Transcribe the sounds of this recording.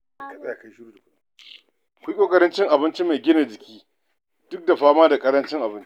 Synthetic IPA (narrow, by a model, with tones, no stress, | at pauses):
kɐ˨sʼa˦ja˨ka˦ʃʊ˦ɾuː˦da˨kʷʊ˦ɗa˦ | kʷi˦kʷʼoː˦kʼɐ˦ɾɐ˦nt͡ʃɪ˦ŋʔa˨bɪ˦nt͡ʃi˦ma˨ɡʲɪ˦na˨d͡ʒɪ˨kʲiː˦ | d̥ʊ˦k̚da˨ɸaː˦maː˦da˨kʼɐ˦ɾɐ˦nt͡ʃɪ˦ŋʔa˨bɪ˦nt͡ʃ